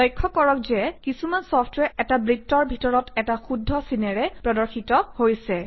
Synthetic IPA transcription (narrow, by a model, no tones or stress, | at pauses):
lɔjkʰːɔkɔɹɔkzɛkisumansɔpʰtwɛɹɛtabɹitːɔɹbʱitɔɹɔtɛtaxudʱːɔsinɛɹɛpɹɔdɔɹxitɔhojsɛ